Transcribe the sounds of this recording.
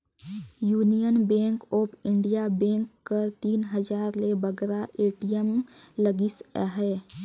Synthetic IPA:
juːnijənbẽːŋkoːpʰɪ̃ɳɖijabẽːŋkːəɾt̪iːnɦəd͡ʒaːɾlebəɡɾaʔeːʈijəmləɡɪsaɦɛː

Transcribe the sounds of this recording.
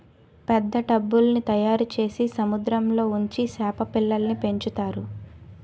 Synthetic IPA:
pɛd̪ːɐʈɐbːulɐnit̪ɐjaːɾut͡ʃe̞ːsisɐmud̪ɾɐmlo̞ːuɲt͡ʃisɛːpɐpilːɐlnipe̞ɲt͡ʃut̪aːɾu

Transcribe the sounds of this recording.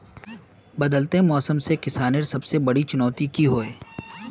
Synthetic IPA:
bɐd̪əlt̪emɔːsəmsekɪsaːneɾsɐbsebɐɽit͡ʃʊnɔːt̪ikiɦoːeː

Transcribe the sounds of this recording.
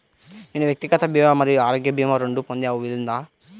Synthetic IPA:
niːnuʋjɐk̚t̪ikɐt̪ɐbjɐmɐmɐd̪iaːɾoːɡjɐbjɐmɐɾeɳɖupond̪iɐʋuʋilind̪aː

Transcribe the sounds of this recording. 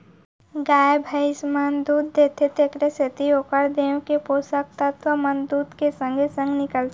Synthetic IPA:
ɡaːebʱəɪsmənd̪uːd̪̚d̪eːt̪ʰet̪ʰekɾeset̪iokəɾd̪eːõkepoːsək̚t̪ət̪ʋəmənd̪uːt̪kesə̃ŋɡʱesə̃ŋɡnɪkəlt̪e

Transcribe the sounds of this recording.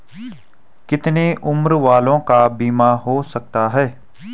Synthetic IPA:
kɪt̪neʔʊmɾʋaːlõːkabiːmaːɦoːsək̚t̪aːɦɛː

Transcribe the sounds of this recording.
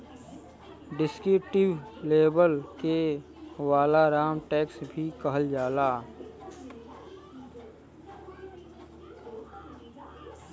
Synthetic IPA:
ɖɪskɾuːʈɪʋleːbəlke | ʋaːlaɾaːmʈɛːksbʱikəɦəld͡ʒaːlaː

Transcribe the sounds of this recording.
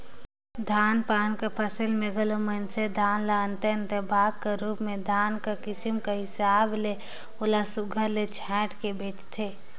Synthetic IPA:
d̪ʱaːnpaːnkepʰəsəlmeɡəlomənsed̪ʱaːnlaənt̪eɪ̃nt̪ebʱaːɡ̚keɾuːpmẽd̪ʱaːnkakɪsimkaɦɪsaːble | olasʊɡʱəɾlet͡ʃʰɛ̃ːʈʰkebeːt͡ʃt̪ʰe

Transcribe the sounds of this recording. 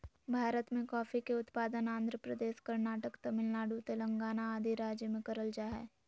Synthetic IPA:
bʱaːɾət̪mẽkɔːfikeʊt̪paːd̪ənãːnd̪ʱɾəpɾəd̪eːʃkɐɾnaːʈəkt̪ɐmɪlnaːɽut̪elɐ̃ŋɡaːnaaːd̪ʱiɾaːd͡ʒjəmẽkɐɾəld͡ʒaːɦɛ̰ː

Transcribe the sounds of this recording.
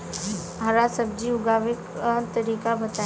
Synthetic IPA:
ɦɐɾasəb̚d͡ʒiʊɡaːʋɪkt̪əɾiːkabɐt̪a

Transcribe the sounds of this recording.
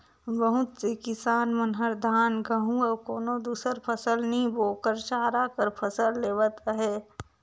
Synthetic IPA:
ʋəɦʊt̪sekɪsaːnmənɦəɾd̪ʱaːnɡɐɦũɐkoːnod̪uːsəɾpʰəsəlnɐɦĩboːkəɾt͡ʃaːɾaːkəɾpʰɐsəlːeːʋət̪əɦɛː

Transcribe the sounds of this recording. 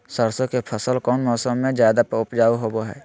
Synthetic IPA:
səɾsõkepʰəsəlkɔːnmɔːsəmːẽd͡ʒjaːd̪apəʊpd͡ʒaːuɦoboɦɛ̰ː

